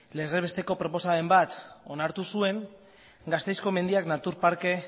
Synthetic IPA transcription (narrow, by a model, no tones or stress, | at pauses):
le̞reβe̞st̪e̞ko̞pɾo̞po̞sae̞mbat̪o̞naɾt̪usue̞ŋ | ɡast̪e̞jsko̞me̞nd̪iaknat̪uɾpaɾke̞